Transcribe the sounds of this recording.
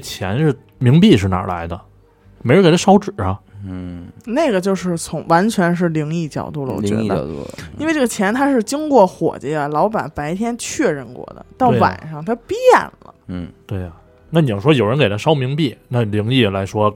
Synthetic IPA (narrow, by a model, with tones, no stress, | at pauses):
t͡ɕʰjɛ̰˧˥nʂɻ̩˥˩ | mi˧˥ŋpi˥˧ʂɻ̩˥˩na̰˨˩la̰˧˥ɪd̪ə˧ | me˧˥ɻə˧˥kt̪ʰa˥ʂɑ˥ʊʈ͡ʂɻ̩˨˩ɐ˦ | ne˥˩ɪɡə˩t͡ɕjo˥˧ʊʂɻ̩˥˩t͡sʰʊ˧˥ŋwa˧˥nt͡ɕʰɥɛ˧˥nʂ̬ɻ̩˥˩li˧˥ŋi˥˩t͡ɕjɑ̰˨˩ʊt̪u˥˩lə˧˩ɔ̰˨t͡ɕɥɛ̰˧˥˨d̪ə̰˨i˥nwʈ͡ʂə˥˩ɡə˩t͡ɕʰjɛ˧˥nt̪ʰa˥ʂɻ̩˥˩t͡ɕi˥ŋkwɔ˥˩xwɔ̰˨˩t͡ɕi˥ə˧˩lɑ˧˥ʊpa˨˩npa˧˥ɪt̪ʰjɛ˥nt͡ɕʰɥɛ˥˧ɻə˥˧nkwɔ̰˥˩d̪ə̰˩t̪ɑ˥˩ʊ˧wa̰˨˩nʂɑ˥˩ŋt̪ʰa˥pi˥jɛ̰˥˩nlə̰˦t̪we˥˩ɪɐ˩ | na˥˩ni˨˩˨ʂwɔ˥jo˨˩ʊɻə˧˥nke˨˩ɪt̪ʰa˥ʂɑ˥ʊmi˧˥ŋpi˥˩na˥˩li˧˥ŋi˥˩la˧˥ɪʂwɔ˥